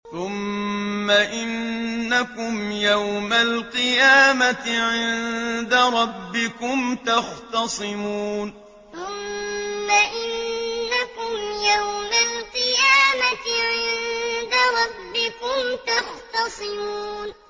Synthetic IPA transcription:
θʊmː | aʔɪnːakʊmjawmalqɨjaːmat̪ɪʕɪnd̪aɾˤɑbːɪkʊmt̪ɑxt̪ɑsˤɨmuːn | θʊmːaʔɪnːakʊmjawmalqɨjaːmat̪ʕɪnd̪aɾˤɑbːɪkʊmt̪ɑxt̪ɑsˤɨmuuːn

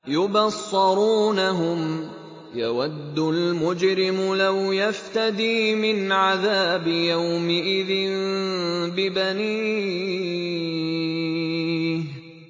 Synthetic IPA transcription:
jʊbɑsˤːɑɾuːnaɦʊm | jawad̪ːʊlmʊd͡ʒɾɪmʊlawjaft̪ad̪iːmɪnʕaðaːbɪjawmɪʔɪðɪn | bɪbaniː

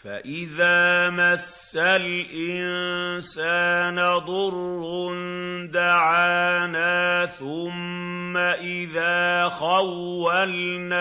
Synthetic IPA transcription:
fa̰ʔɪðaːmasːalʔɪnsaːnad̪ˤʊɾrʊnd̪aʕaːnaːθʊmː | aʔɪðaːxawːalnaː

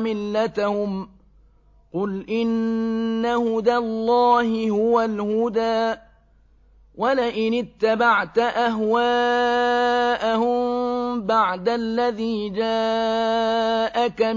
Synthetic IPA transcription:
mɪlːat̪ahʊm | qʊlʔɪnː | ahʊd̪alˤːɑːhɪhʊwalhʊd̪aː | wʔalɪʔɪnɪt̪ːabaʕt̪aʔaɦwaː | ʔahʊmbaʕd̪alːaðiːd͡ʒa | ʔaka

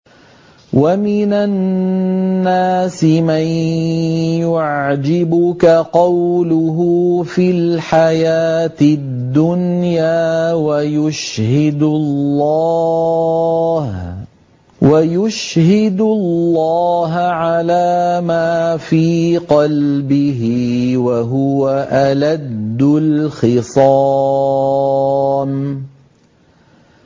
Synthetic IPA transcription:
wamɪnanː | aːsɪman | jʊʕd͡ʒɪbʊkaqɑwlʊɦʊːfilħajaːt̪ɪ | d̪ːʊnjaːwajʊʃhɪd̪llː | h | wajʊʃhɪd̪ʊllːɑːɦaʕalaːmaːfiːqɑlbɪɦɪwaɦʊwaʔalad̪ːʊlxɪsˤɑ | m

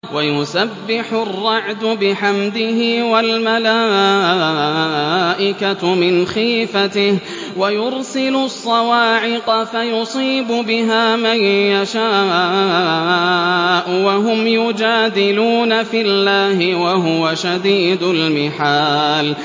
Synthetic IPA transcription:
wʔajʊsabːɪħʊrˤːɑʕd̪ʊbɪħamd̪ɪhɪwalmalaː | ʔɪkamɪnxiːfat̪ɪh | wajʊɾsɪlʊsˤːɑwaːʕɪqɑfajʊsˤiːbʊbɪɦaːmajjaʃaː | ʔwaɦʊmjʊd͡ʒaːd̪ɪluːnafɪlːaːhɪwaɦʊwaʃad̪iːd̪ʊlmɪħaːl

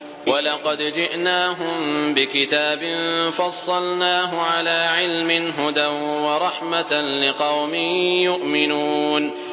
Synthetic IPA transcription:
wɑlɑqɑd̪d͡ʒɪʔnaːɦʊmbɪkɪt̪aːbɪnfɑsˤːɑlnaːɦʊʕalaːʕɪlmɪnɦʊd̪anwɑɾˤɑħmat̪nlɪqɑwmɪjʊʔmɪnuːn

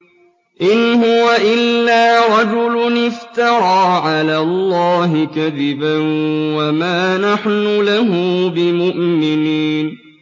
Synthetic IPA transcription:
ʔɪnhʊwaʔɪlːaːɾˤɑd͡ʒʊlʊnɪft̪ɑɾˤɑːʕalaːlˤːɑːɦɪkaðɪbanwamaːnaħnʊlaɦʊbɪmʊʔmɪniːn

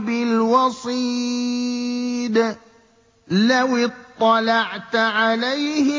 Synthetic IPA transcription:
bɪlwɑsˤiː | d̪ | lawɪt̪ˤːɑlɑʕt̪ʕalajhɪ

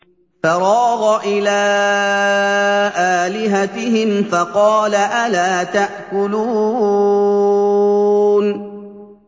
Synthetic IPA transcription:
faɾˤɑːɣɑʔɪlaː | ʔaːlɪɦat̪ɪhɪmfɑqɑːlaʔalaːt̪aʔkʊluː | n

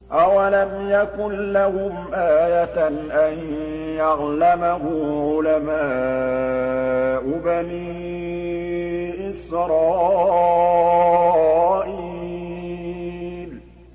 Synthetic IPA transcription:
ʔawalamjakʊnlahʊmʔaːjaʔan | jɑɣlamaɦʊʕʊlamaː | ʔʊbaniː | ʔɪsɾˤɑː | ʔi | l

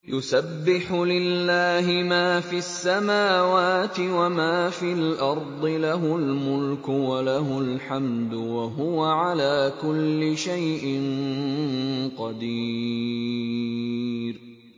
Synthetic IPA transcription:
jʔʊsabːɪħʊlɪlːaːɦɪmaːfiasːamaːwaːt̪ɪwamaːfiːlʔɑɾˤd̪ˤɨlaɦʊlmʊlkʊwalaɦʊlħamd̪waɦʊwaʕalaːkʊlːɪʃajʔɪn | qɑd̪iː | ɾ

